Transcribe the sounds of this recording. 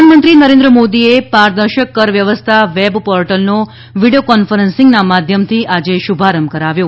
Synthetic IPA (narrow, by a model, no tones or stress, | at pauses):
anəmənt̪ɾinəɾend̪ɾəmod̪iepaɾd̪əɾʃəkːəɾʋjəʋəst̪ʰaʋebpɔɾʈəlno | ʋiɽijokɔnfəɾənsĩŋɡnamad̪ʱjəmt̪ʰiʔad͡ʒeʃubʱaɾəmkəɾaʋjo